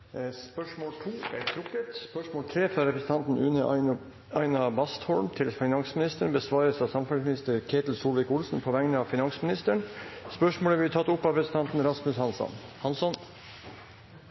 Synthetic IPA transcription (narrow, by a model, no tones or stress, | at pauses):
spœʂmoːlt̪ʰuːæɾt̪ʰɾʊkːət̪spœʂmoːlt̪ʰɾeːfɾɑɾɛpɾəsən̩t̪ɑnt̪n̩ʉnə | ɑɪnɑbɑst̪hɔlmt̪ʰɪlsfɪnɑŋsmɪnɪst̪əɳbəsʋɑːɾəsɑsɑmfɛsmɪnɪst̪əɾkʰeːt̪l̩suːlʋɛkʊlsn̩pʰɔʋɛŋnəɑʋfɪnɑŋsmɪnɪst̪əɳspœʂmoːlæɾʋɪɪt̪ʰɑt̪ːʊpːɑɛpɾəsn̩t̪ʰɑnt̪n̩ɾɑsmʉshɑnsɔ̰nhɑnsɔn